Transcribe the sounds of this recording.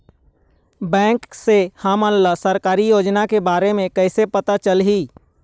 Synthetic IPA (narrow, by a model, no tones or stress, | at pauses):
bɛ̃ːŋksehəmənləsəɾkaːɾijoːd͡ʒnakebaːɾemẽkəɪsepət̪at͡ʃəlɦiː